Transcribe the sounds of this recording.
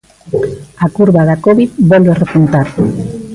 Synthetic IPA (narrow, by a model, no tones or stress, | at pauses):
akuɾβaðakoβiðbɔlerepunt̪aɾ